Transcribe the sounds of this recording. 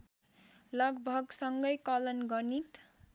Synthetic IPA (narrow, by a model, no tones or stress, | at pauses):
lʌɡbʱʌɡsʌŋɡʌjkʌlʌnɡʌnit̪